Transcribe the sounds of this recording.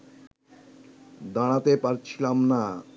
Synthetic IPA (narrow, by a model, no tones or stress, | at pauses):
d̪aɽ̃at̪epaɾt͡ɕʰilamna